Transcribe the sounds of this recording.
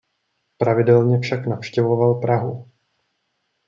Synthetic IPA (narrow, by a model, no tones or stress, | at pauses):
pɾavɪdɛlɲɛfʃaknafʃcɛvo̞valpɾaɦu